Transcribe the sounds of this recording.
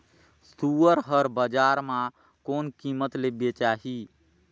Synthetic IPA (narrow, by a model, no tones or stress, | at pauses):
suːəɾɦəɾbəd͡ʒaːɾmã | koːnkiːmət̪lebet͡ʃaːɦiː